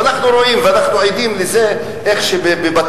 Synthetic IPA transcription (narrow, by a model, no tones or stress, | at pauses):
anaχnuɾo̞imveanaχnuajd̪imlize̞ | ʔeχʃebebebat